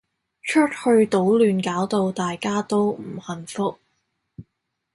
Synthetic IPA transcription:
t͡ʃʰɵ˥t̚hɵ˧ɥt̪o˨˥wlyː˨˧nkaː˨˥wt̪o˧wt̪aː˨jkaː˥t̪o˥wm̩˨˩hɐ˨˩nfʊ˥k̚

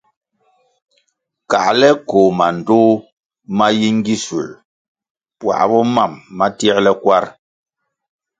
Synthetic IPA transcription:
ka̰˨ʔlɛ˦ko˨ma˨n̩˨toː˦ | ma˦ji˦ŋ˦ɡi˦sṵ˨l | pwa̰˨ʔbɔ˦ma˦˨mːa˦tjɛ˦ɾlɛ˦kwa˦ɾ

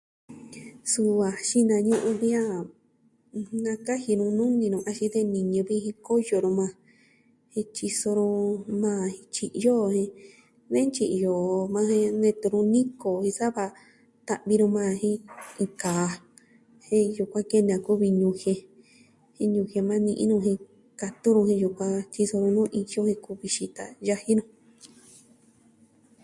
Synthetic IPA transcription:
su˧βa˨ʃi˦nã˧ɲũ˦ʔũ˧βi˦ã˦˧ | nã˧ka˦hi˧ɾũ˧nũ˦nĩ˧ɾũ˧a˧ʃĩ˧ðe˦nĩ˨ɲũ˧βi˦˧hĩ˧ko˦jo˨ɾũ˧mã˧ | hĩ˧t͡ʃi˧so˧ɾũ˧mãː˦˧˨hĩ˧t͡ʃi˧˨ʔjo˦˨hĩ˧ | ðẽ˦t͡ʃi˧ʔjo˨˧mã˧hẽ˧nẽ˧t̪u˧ɾũ˧nĩ˦ko˨hĩ˧sa˦βa˧ | t̪a˧βi˧ɾũ˧mã˦˧hĩ˦ĩ˧kaː˨˧ | hĩ˦ju˧kʷã˦ke˦ñ˧ã˧ku˦βi˧ɲũ˧hẽ˧ | hĩ˧ɲũ˧he˧mã˦nĩ˧ʔḭ̃˦nũ˧ɦĩ˧ | ka˧t̪u˦ɾũ˧hĩ˧ju˧kʷã˧t͡ʃi˧so˧ɾũ˧nũ˦ʔi˧jo˦hĩ˧ku˧βi˧ʃi˧t̪a̰˨ja˧hi˦ɾũ˧˦

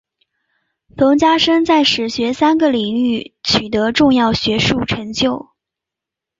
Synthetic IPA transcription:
fɤ˧˥ŋt͡ɕja˥ʂə˥ŋt͡sa˥˩ɪʂɻ̩˨˩ɕɥɛ˧˥sa˥nɡə˨li˨˩ŋy˥˩t͡ɕʰy˨˩t̪ɤ˧˥ʈ͡ʂʊ˥˧ŋjɑ˥˩ʊɕɥɛ˧˥ʂu˥˩ʈ͡ʂʰɤ˧˥ŋt͡ɕjo˥˩ʊ

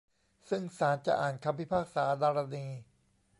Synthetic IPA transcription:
sɯ˥˩ŋsaː˩˦nt͡ɕa̰˨˩ʔa̰ː˨˩nkʰa˧mwi˦˥pʰaː˥˩k̚saː˩˦daː˧ɾa˧niː˧

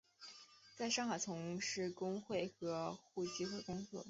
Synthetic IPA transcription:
t͡sa˥˧ɪʂɑ˥˧ŋxa˨˩ɪt͡sʰʊ˧˥ŋʂɻ̩˥˩kʊ˥ŋxwe˥˩ɪxɤ˧˥xu˥˩t͡ɕi˥xwe˥˩kʊ˥ŋsɤ̰˧˥˩

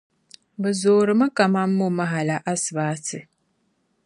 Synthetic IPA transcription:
bɛ˨zoː˨ɾɨ˨ma˦ka˨ma˦mː˦ʊ˦ma˦ɦa˨la˨ʔa˦sɨ˨baː˦tɨ˨

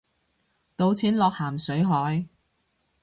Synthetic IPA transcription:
t̪o˧wt͡sʰiː˨˥nlɔː˨k̚haː˨˩msɵ˨˥ɥɦɔː˨˥j

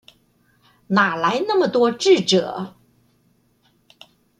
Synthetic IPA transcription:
na˨˩la˧˥ɪna˥˩mə˩t̪wɔ˥ʈ͡ʂɻ̩˥˩ʈ͡ʂɤ̰˨˩˦

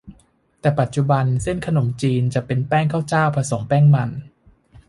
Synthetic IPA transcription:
t̪ɛː˨˩pa˨˩t̪̚t͡ɕu˨˩ba˧nse˥˩nkʰa˧no˩˦mt͡ɕiː˧nt͡ɕa˨˩ʔpe˧npɛː˥˩ŋkʰa˥˩wt͡ɕaː˥˩wpʰa˧so˩˦ŋpɛː˥˩ŋma˧n

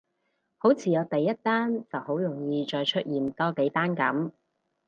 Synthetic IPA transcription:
ho˨˥wt͡sʰiː˨˩jɔː˨˧t̪ɐ˨jːɐ˥t̚t̪aː˥nt͡sɐ˨who˨˥wjʊ˨˩ŋjiː˧t͡ʃɔː˧jt͡ʃʰɵ˥t̚jiː˨˩nt̪ɔː˥ke˨˥jt̪aː˥nkɐ̰˨˥m

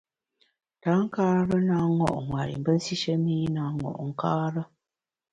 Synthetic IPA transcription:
ta˨˦ŋ̩˦kaː˦ɾə˦na˦ŋɔ̰˦˨ʔŋwa˨ɾḭ˨m̩˨bə˦n̩˦si˦ʃə˦miː˦na˨ŋɔ̰˨ʔŋ̩˨kaː˦ɾə˦

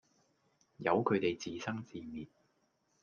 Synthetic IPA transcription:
jɐ˨˧wkʰɵ˨˧t̪e˨jt͡siː˨sɐ˥ŋt͡siː˨miː˨t̚

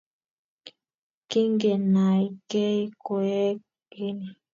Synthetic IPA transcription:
ki˦ŋɡe˨na˨i˦ke˦i˦ko˨ɛ˦ | ke˦ni˨

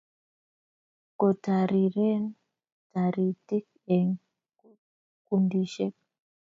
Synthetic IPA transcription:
ko˨ta˨ɾi˨ɾɛ˦n | ta˨ɾi˨ti˦k̚ | ɛ˨ŋ | ku˦ | ku˦ndi˨ʃɛ˦k̚

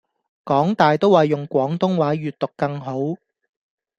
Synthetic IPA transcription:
kɔː˨˥ŋt̪aː˨jt̪o˥waː˨jʊ˨˩ŋkʷɔː˨˥ŋt̪ʊ˥ŋwaː˨˥jyː˨t̪̚t̪ʊ˨kːɐ˧ŋɦo˨˥w

